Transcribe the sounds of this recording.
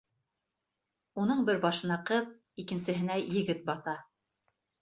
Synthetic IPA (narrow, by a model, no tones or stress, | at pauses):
unɤɴbɘɾbɑʃɤ̆nɑqɤð | ikɘ̆nsɘ̆ɦɘ̆næjɘ̆ɡɘt̪̚bɑθɑ